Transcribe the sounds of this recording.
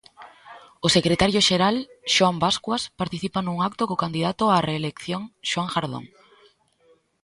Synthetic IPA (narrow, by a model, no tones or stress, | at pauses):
ʊsekɾet̪aɾjoʃeɾalʃwambaskwaspaɾt̪iθipanũŋak̚t̪okokand̪iðat̪ʊareːlekθjoŋʃwaŋxaɾðo̰ŋ